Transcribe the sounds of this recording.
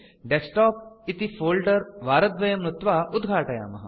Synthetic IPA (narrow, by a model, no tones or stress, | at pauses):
ɖesʈɔːp̚it̪ifoːlɖɐɾʋaːɾɐd̪ʋɐjɐmɾut̪ʋaːʔud̪ɡʱaːʈɐja̰ːmɐɦɐ